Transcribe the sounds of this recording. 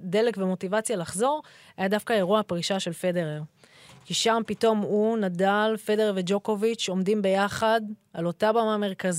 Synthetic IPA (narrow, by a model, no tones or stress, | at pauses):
de̞lekvemo̞tivat͡sjalaχzo̞ʁ | ajadafkaeʁuapʁiʃaʃe̞lfe̞de̞ʁeʁ | kiʃampito̞munadalfe̞deʁved͡ʒo̞ko̞vit͡ʃo̞mdimbe̞jaχadalo̞tabamame̞ʁkaz